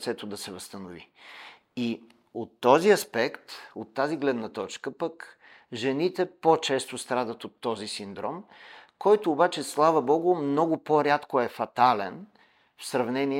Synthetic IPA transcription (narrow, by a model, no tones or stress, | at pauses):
t̪sɛt̪od̪ɐsɛvɐst̪ənʊvḭ | i | ot̪ːɔziɐspɛkt̪ot̪ːaziɡlɛd̪nət̪ɔt͡ʃkəpək | ʒɛnit̪ɛpot͡ʃɛst̪ost̪ɾad̪ət̪ot̪ːɔzisind̪ɾɔmkɔjt̪oːbat͡ʃɛslˠavəbɔɡʊmnɔɡʊpoɾʲat̪koɛfɐt̪alɛn | fsɾɐvnɛni